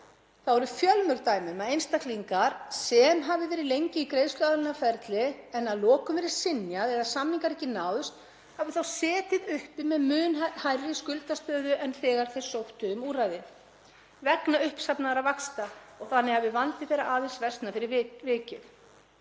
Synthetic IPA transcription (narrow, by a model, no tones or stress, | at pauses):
θawɛɾʏfjœlmʏɾt̪aːjmʏmaðejnst̪akliŋkaɾ̥sɛmɦavɪvɛːɾɪðlejɲcɪikɾejðstlaðalɪnːafɛɾt̪lɪɛnaðlɔːkʏmvɛːɾɪ̥sɪnjaðɛɾðasamnːiŋkaɾɛhcɪnaːwðʏst̪ | havɪθawsɛːt̪ɪðʏhpɪmɛðmʏːnhajɾɪskʏlt̪ast̪œːðʏʔɛnθɛːɣaɾ̥θej̥sowht̪ʏʏmuːrajðɪ | vɛknaʏhpsapnaðaɾavakst̪aɔɣθanːɪhavɪvant̪ɪθejɾaʔaːðesvɛst̪nafɪɾɪɾvɪːcʏ